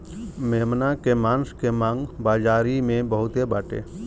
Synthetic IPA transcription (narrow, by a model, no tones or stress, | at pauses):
meːmnakemãːnskemãːŋɡbaːd͡ʒaːɾimẽbəɦʊt̪ebaːʈḛː